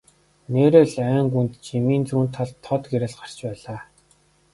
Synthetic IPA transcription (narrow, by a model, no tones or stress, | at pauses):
neːɾeːɮæːŋɡunt̪t͡ɕʰimiːnt͡suːnt̪ʰːaɮt̪ʰːɔt̪ɡeɾĕɮɢar̥t͡ɕpæːɮaː